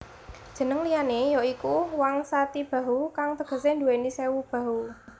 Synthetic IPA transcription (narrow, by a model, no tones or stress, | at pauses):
d̥ʒ̥ə̤nəŋlianejoikuwaŋsat̪ib̥a̤ɦukaŋt̪əɡ̥ə̤send̪uenisewub̥ä̤ɦu